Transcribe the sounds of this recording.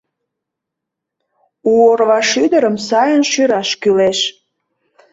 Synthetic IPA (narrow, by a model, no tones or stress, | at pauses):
uorβɑʃyd̪əɾəmsɑjənʃyɾɑʃkyleʃ